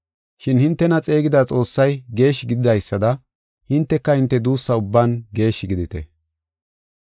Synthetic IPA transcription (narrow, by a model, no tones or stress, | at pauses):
ʃɪnhɪnt̪ːɛnɐt͡sʼe̞ːɡɪd̪aːt͡sʼo̞ːsːɐjɡe̞ːʃɪɡɪd̪ɪd̪ɐjsːɐd̪ɐ | hɪnt̪ːɛkːɐhɪnt̪ːɛd̪uːsːɐʊbːaːnɡe̞ːʃːɪɡɪd̪ɪt̪ɛ̰